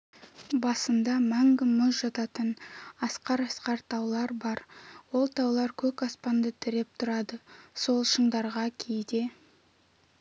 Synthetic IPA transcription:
bɑsənd̪ɑmæŋɡʲɪmʊzʒɑt̪ɑt̪ənɑsqɑɾɑsqɑɾt̪ʰɑwlˠɑɾbɑɾwo̞lˠt̪ʰɑwlˠɑɾkʲʰɵkɑspɑnd̪ət̪ʰɪɾe̞p̚t̪ʰʊɾɑd̪əso̞lˠʃəɴd̪ɑɾʁɑkʲʰejd̪e̞

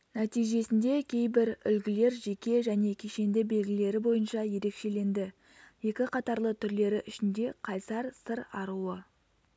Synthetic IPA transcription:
næt̪ijʒe̞sɪnd̪e̞kʲʰe̞jbɪɾʏlɡʲɪle̞ɾʒe̞kʲe̞ʒæne̞kʲʰeʃe̞nd̪ɪbe̞lɡʲɪle̞ɾɪbo̞jənʃɑje̞ɾe̞kʃe̞le̞nd̪ɪ | je̞kʲɪqʰɑt̪ɑɾlˠət̪ʰʏɾle̞ɾɪʔʏʃɪnd̪e̞qʰɑjsɑɾsəɾɑɾuə

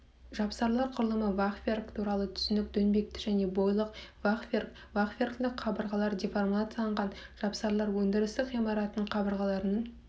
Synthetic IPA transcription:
ʒɑpsɑɾlˠɑɾqʰʊɾlˠəməvaχfʲerkt̪ʰuɾɑlˠət̪ʰʏ̥sɪnɪk̚d̪ɵnbe̞k̚t̪ɪ̥ʒæne̞bo̞jlˠəqvaχferk | vaχfʲerkt̪ɪkqʰɑbəɾʁɑlˠɑɾd̪ʲiformat̪sijlˠɑɴʁɑnʒ̥ɑpsɑɾlˠɑɾwɵnd̪ɪɾɪst̪ɪkqʁijmɑɾɑt̪əɴqʰɑbəɾʁɑlˠɑɾənəɴ

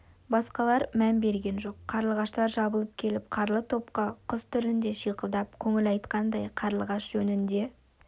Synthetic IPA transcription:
bɑsqɑlˠɑɾmænbe̞ɾɡʲe̞nʒo̞qʰːɑɾlˠʁɑʃt̪ɑɾʒɑbəlˠəp̚kʲʰe̞lɪpqʰɑɾlˠət̪ʰo̞pqɑqʰʊst̪ʰʏlɪnd̪e̞ʃijqəlˠd̪ɑp̚kʲʰɵŋɪlɑjt̪qɑnd̪ɑjqʰɑɾlˠəʁɑʃʒ̥ɵnɪnd̪e̞

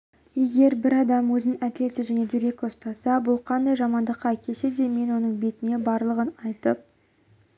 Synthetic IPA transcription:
je̞ɡʲe̞ɾbɪɾɑd̪ɑmwɵzɪnɪŋæd̪ʲɪlesɪzʒæne̞d̪iɾe̞ko̞st̪ɑsɑbʊlˠqʰɑnd̪ɑjʒɑmɑnd̪əqːɑækʲʰe̞se̞d̪e̞me̞nwo̞nəɴbe̞t̪ɪne̞bɑɾlˠəʁənɑjt̪əp̚

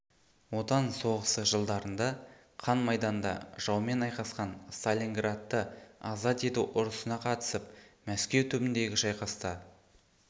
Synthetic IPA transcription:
wo̞t̪ɑnso̞ʁəsəʒəlˠd̪ɑɾənd̪ɑ | qʰɑnmɑjd̪ɑnd̪ɑ̰ʒ̥ɑwme̞nɑjqɑsqɑnst̪alʲiŋɡrat̪ːəɑzɑt̪et̪uwʔʊɾəsənɑqʰɑt̪ə̥səpmæskʲe̞wt̪ʰʏbɪnd̪e̞ɡʲɪʒɑjqɑst̪ɑ

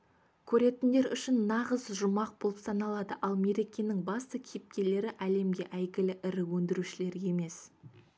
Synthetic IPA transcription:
kʲʰɵɾe̞t̪ɪnd̪e̞ɾʏʃɪnːɑʁəzʒʊmɑq̚bolˠəpsɑnɑlˠɑd̪əʔɑlˠme̞ɾe̞kʲe̞nɪŋbɑst̪əkʲʰejɪp̚kʲe̞le̞ɾɪʔæle̞mɡʲe̞ʔæjɡʲɪlɪʔɪɾɪwɵnd̪ɪɾuʃɪle̞ɾʲe̞me̞s

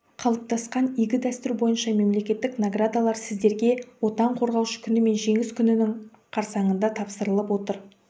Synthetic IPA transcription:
qʰɑlˠəp̚t̪ʰɑsqɑnijɡʲɪd̪æst̪ʏɾbo̞jənʃɑme̞mle̞kʲe̞t̪ːɪknaɡrad̪alˠɑɾsɪzd̪e̞ɾɡʲe̞wo̞t̪ɑɴqʰo̞ɾʁɑwʃə̥kʲʰʏnɪme̞nʒe̞ŋɪskʲʰʏnɪnɪɴ | qʰɑɾsɑɴənd̪ɑt̪ʰɑpsəɾəlˠəpwo̞t̪əɾ

